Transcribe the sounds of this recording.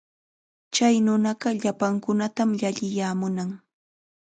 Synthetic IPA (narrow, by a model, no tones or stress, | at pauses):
t͡ʃajnʊnɑɢɑʎapaŋkʊnat̪amʎaʎɪjaːmʊnaŋ